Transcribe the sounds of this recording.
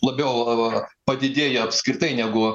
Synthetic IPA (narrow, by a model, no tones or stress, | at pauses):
lˠɐbʲɛʊpɐd̪ʲɪd̪ʲeːjɛɐpʲsʲkɾʲɪt̪ɐɪnʲæɡʊ